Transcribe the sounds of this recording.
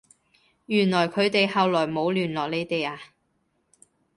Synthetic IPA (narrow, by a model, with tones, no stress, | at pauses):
jyː˨˩nlɔː˨˩jkʰɵ˨˧ɥt̪e˨jhɐ˨wlɔː˨˩jmo˨˧wlyː˨˩nlɔː˨k̚le˨˧jt̪e˨jaː˧